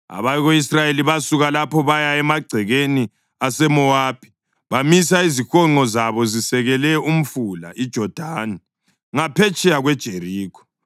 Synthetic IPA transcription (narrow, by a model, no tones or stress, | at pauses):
a̰βajɣois̬rajeliβasuɣalapʰɔβajaɛmaɡ͡ǀʱɛɣeni | asɛmɔaːb̥ʱi̥ | βamis̬aizixɔŋ͡ǃɔzaβɔzisɛɣɛlɛum̩fula̰ʔid̥ʒ̥ʱɔd̥ʱaːni | ŋapʰɛt͡ʃʼɛjaɣwɛd̥ʒ̥ʱeriːkʰɔ̥